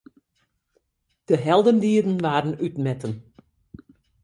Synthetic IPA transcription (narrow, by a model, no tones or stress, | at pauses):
d̥əɦɛlˠdəndiədən̩ʋaːdən̩ytmɛtən